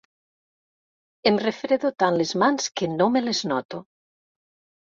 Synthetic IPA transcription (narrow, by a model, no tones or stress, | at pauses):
emrefɾeðot̪anlezmanskenõmeleznɔt̪o